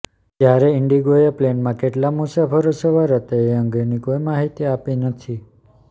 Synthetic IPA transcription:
t̪jaɾeɪɳɖiɡojəplenmãkeʈlamusapʰəɾosəʋaɾət̪eeəŋɡenikoimaɦit̪iapinət̪ʰi

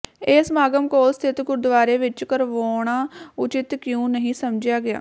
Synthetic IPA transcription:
ɪsmaːɡəmkoːst̪ʰɪt̪ɡʊɾd̪ʋaːɾeːʋɪt͡ʃkəɾʋoːɳaːʊt͡ʃɪt̪kjũːnəɦĩːsəmd͡ʒɪjaːɡɪja̰ː

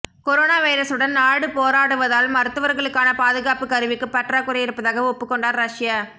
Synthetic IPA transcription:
kɔɾoːnaːʋɐjɪɾɐsɯɽɐnnaːɽɯpoːɾaːɽɯʋɐðaːlmɐɾɯt̪ːɯʋɐɾɣɐɭɯkːaːnɐpaːðɯɣaːpɯkːɐɾɯʋɪkːɯpɐʈraːkɯɾɐjɪɾɯpːɐðaːɣɐɔpːɯkːɔɳɖaːɾɾɐʂɪjaː

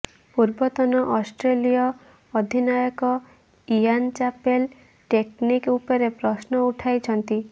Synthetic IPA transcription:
puɾbɔt̪ɔnɔʔɔsʈɾelijɔː | d̪ʱinajɔkɔ | iant͡ʃapel | ʈeknikupɔɾepɾɔsnɔuʈʰajt͡ʃʰɔnt̪i

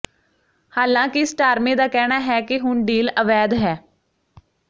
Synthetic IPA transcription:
haːlãːkɪsʈaːɾmẽːd̪aːkɛːnaːɦɛːkɪɦʊɳɖiːləʋɛːd̪ɦɛː

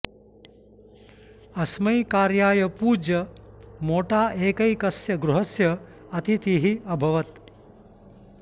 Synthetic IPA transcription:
ɐsmɐjkaːɾjaːjɐpuːd͡ʒɐmoːʈaːʔeːkɐjkɐsjɐɡɾuɦɐsjɐ | ɐt̪ʰit̪iɦiɐbʱɐʋɐt̪

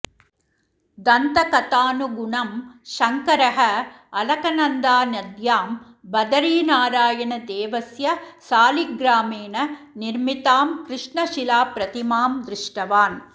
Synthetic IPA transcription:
d̪ɐnt̪ɐkɐt̪aːnuɡʊɳɐmʃɐŋkɐɾɐɦɐ | ɐlɐkɐnɐnd̪aːnɐd̪jaːm | bɐd̪ɐɾiːnaːɾaːjɐɳɐd̪eːʋɐsjɐsaːliɡɾaːmeːnɐ | nɪɾmit̪aːmkɾɪʂɳɐʃɪlaːpɾɐt̪imaːmd̪ɾɪʂʈɐʋaːn

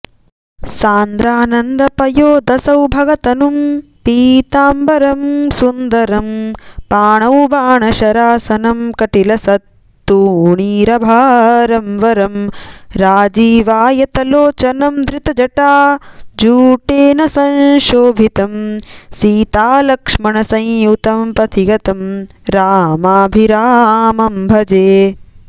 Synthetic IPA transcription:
saːnd̪ɾaːnɐnd̪ɐpɐjoːd̪ɐsɐwbʱɐɡɐt̪ɐnumpiːt̪aːmbɐɾɐmsund̪ɐɾɐmpaːɳɐwbaːɳɐʃɐɾaːsɐnɐmkɐʈilɐsɐt̪ː | uːɳiːɾɐbʱaːɾɐmʋɐɾɐmɾaːd͡ʒiːʋaːjɐt̪ɐloːt͡ʃɐnɐmd̪ɾɪt̪ɐd͡ʒɐʈaːd͡ʒuːʈeːnɐsɐ̃nʃoːbʱit̪ɐmsiːt̪aːlɐkʂmɐɳɐsɐ̃jjut̪ɐmpɐt̪ʰiɡɐt̪ɐm | ɾaːmaːbʱiɾaːmɐmbʱɐd͡ʒeː

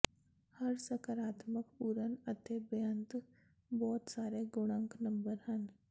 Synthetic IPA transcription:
hɐɾsɐkəɾaːt̪məkpuːɾənət̪ebjə̃nt̪ | bɔːt̪saːɾeɡʊɽ̃ə̃ŋknɐ̃mbəɾɦɐn

